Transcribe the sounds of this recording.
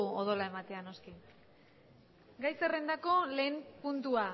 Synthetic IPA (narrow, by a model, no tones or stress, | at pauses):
oð̞o̞lae̞mat̪e̞ano̞ski | ɡajse̞rend̪ako̞le̞ːmpunt̪ua